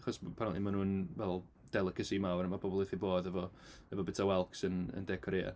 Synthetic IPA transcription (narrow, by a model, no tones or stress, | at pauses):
aχɔspʰanɔdˠimanuːnvɛlˠ | d̥ɛlˠɪkʰəsimawɾənmabɔbɔlˠveθiboːðɛvɔɛvɔbɛtʰawɛlˠksənə̰ndɛkʰɔɾeːa̰